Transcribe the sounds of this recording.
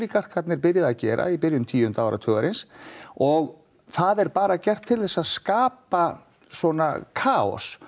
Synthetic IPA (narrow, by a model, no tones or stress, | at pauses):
likar̥kʰvat̪nɪɾpɪɾjɪðaðcɛːɾʔa̰ipɪɾjʏmt̪ʰiːʏnt̪aːwɾʔa̰t̪ʰœːɣaɾɪnsɔɣ | θaðɛɾpaːɾacɛr̥t̪ʰːɪlθɛsːaðskaːpa | swɔna̰kʰaːɔ̰s